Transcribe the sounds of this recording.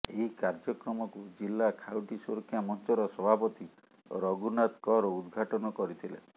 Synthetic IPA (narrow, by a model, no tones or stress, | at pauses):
eɦikaɾd͡ʒɔkɾɔmɔkud͡ʒilːakʰawʈisoɾkʰjamɔnt͡ʃɔɾɔsɔbʱapɔt̪i | ɾɔɡunat̪kɔɾɔud̪ɡʱaʈɔnɔkɔɾit̪ʰilḛ